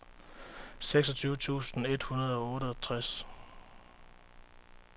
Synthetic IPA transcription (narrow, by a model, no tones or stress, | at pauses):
seɡ̥sɒ̽t͡sʰyːʊət͡sʰṵːsn̩e̝d̥hunɐð̞̩ˠɒ̽ɔ̽ːɾəɒt͡sʰʁas